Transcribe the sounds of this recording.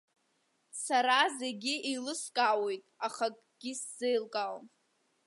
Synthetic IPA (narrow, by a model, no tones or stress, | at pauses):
saɾazeɡʲiilɨskʼawejtʼaχakʼɡ̥ʲisz̥ejlkʼal